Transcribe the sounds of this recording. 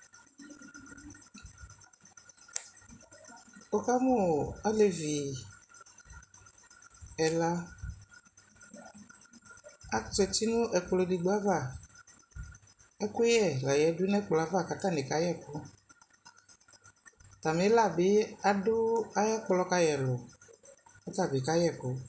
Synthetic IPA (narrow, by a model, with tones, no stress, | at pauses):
o˨ka˦mo˦a˦le˨vi˨ | ɛ˨la˦ | a˦tɛ˨t̪i˦nʊ̃˦ʔɛ˨k͡ple˨di˨ɡ͡ba˦va˦˨ | ɛ˦kʊ˦jɛ˦˨la˨jɛ˨˦du˦nɛ˦k͡plɔ˨a˦va˦˨ka˨ta˦ne˨ka˦jɛ˦˨kɔ˦ | t̪a˨me˨˦la˦˨bɪ˨˦a˨dʊ˦a˦ja˦k͡plɔ˦ka˦jɛ˨lɔ˨ | o˦ta˦˨bɪ˨ka˦jɛ˦˨kɔ˦